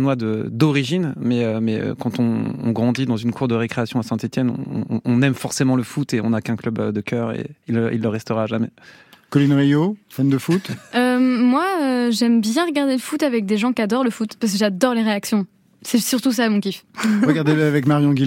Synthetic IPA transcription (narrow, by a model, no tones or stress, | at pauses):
nwad̪əd̪ɔʁiʒinmɛømɛø̰kɑ̃t̪ɔ̰̃ɡʁɑ̃d̪id̪ɑ̃zynkʰuʁd̪əʁekχeasjɔ̃asɛ̃t̪et̪jɛnɔ̰̃ːnɛmfɔʁsemɑ̃ləfut̪eɔ̃nakɛ̃klœbød̪əkʰʲœʁḛilːəḭlːəʁɛst̪əʁaʒamɛ | kɔlinʁijofand̪əfut̪ømwaøʒɛmbjɛ̃ʁəɡaʁd̪eləfut̪avɛk̚d̪eʒɑ̃kad̪ɔʁləfut̪paʁs̬kəʒad̪ɔʁleʁeaksjɔ̃ | sɛsyʁt̪us̬aːmɔ̃kʲifʁəɡaʁd̪eavɛkmaʁjɔ̃ɡʲil